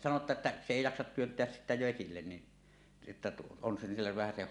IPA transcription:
sɑno etːæ s eˑi jɑksɑt tyøntˑeæs sitːæ ʋesilːen ni etːæ on silːeʋ ʋæhæseh

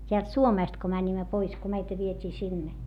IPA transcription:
tʲeælt suomeˑst ko mænʲimːæ pois ko meitæ ʋietʲiː sinːe

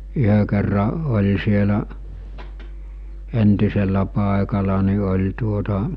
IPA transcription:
yhø kerːɑ olʲ sielæʔ entiselːæ pɑˑekɑlɑ ni olʲ tuotɑ

